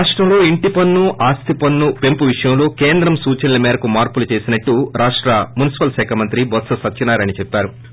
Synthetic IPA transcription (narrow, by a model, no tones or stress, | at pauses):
aːʂʈɾɐmlo̞ːiɳʈipɐnːuʔaːst̪ʰipɐnːupe̞mpuʋiʂɐjɐmlo̞ːkeːnd̪ɾɐmsuːt͡ʃɐnilɐmɛːɾɐkumaːɾpulut͡ʃe̞ːsinɐʈːuɾaːʂʈɾɐmunisi̥pɐlsɛːkʰamɐnt̪ɾibɔt̪sɐsɐt͡ʃinaːɾɐnit͡ʃepːaːɾu